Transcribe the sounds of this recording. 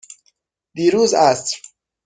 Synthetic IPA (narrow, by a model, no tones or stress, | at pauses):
d̪iɾuzast